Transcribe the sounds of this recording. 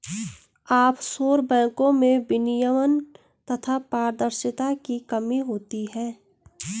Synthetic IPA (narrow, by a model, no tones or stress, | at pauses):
aːpsoːɾbɛ̃ːkõmẽbɪnɪjəmən | t̪ɐt̪ʰapaːɾd̪əɾʃɪt̪akikəmiɦoːt̪iɦɛ̃ː